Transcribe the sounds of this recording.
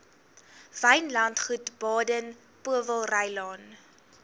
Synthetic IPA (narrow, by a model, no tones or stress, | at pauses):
vəjnlɐntχutb̥ɑːdən | puəvəlˠrəjlɑːn